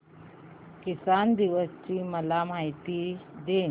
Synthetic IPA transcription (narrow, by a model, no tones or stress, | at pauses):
kɪsand̪iʋəst͡ɕiːməlamait̪id̪eː